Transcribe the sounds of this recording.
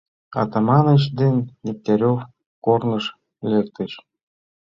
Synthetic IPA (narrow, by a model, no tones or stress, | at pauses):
ɑ̰t̪ɑmɑnət͡ɕd̪enːep̚t̪eɾʲof | kornə̆ʃ | lekt̪ə̆ʃ